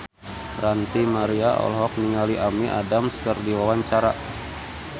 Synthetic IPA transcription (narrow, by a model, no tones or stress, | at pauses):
rant̪imaɾiaɔ̰lɦɔk̚niŋaliʔamiʔadamskərdiwawaɲt͡ʃaɾa